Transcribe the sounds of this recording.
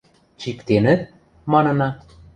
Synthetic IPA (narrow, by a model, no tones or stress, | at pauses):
t͡ɕikt̪enə̆t̪̚ | mɑnɤ̆nɑ